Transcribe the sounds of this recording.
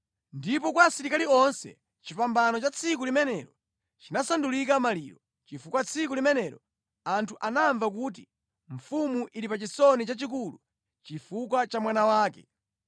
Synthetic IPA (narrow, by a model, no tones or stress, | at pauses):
ndip̬ɔkwasiɾikaliɔnsɛ̰ | t͡ʃipambanɔt͡ʃat͡sʰik̬ulimɛnɛɾɔ | t͡ʃinasandulikamalḭːɾɔ | t͡ʃifukwat͡sʰikulimɛnɛːɾɔ | antʰuʔanaɱvakuːt̬i | ɱ̩fumuʔiɾipat͡ʃisɔnit͡ʃat͡ʃik̬ulu | t͡ʃifukwat͡ʃamwanawaːkɛ